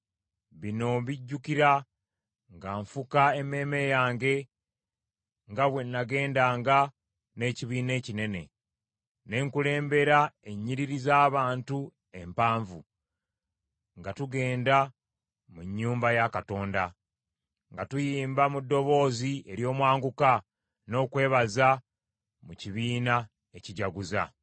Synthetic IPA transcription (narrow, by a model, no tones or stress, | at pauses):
βino̞βiɟːukiɾa | ŋɡaːɱfukae̞me̞ːme̞jaːŋɡe̞ | ŋɡaβwe̞nːaɡe̞ːndaːŋɡa | ne̞ːciβiːne̞ːcine̞ne̞̰ | ne̞ːŋkule̞ːmbe̞ɾae̞ɲːiɾiɾizaːβaːntu | e̞mpaːɱvu | ŋɡatuɡe̞ːnda | muɲːuːmbajakato̞ːnda | ŋɡatujiiːmbamudːo̞βo̞ːzie̞ɾjo̞ːmwaːŋɡuka | no̞ːkwe̞ːβaza | muciβiːna | eciɟaɡuza̰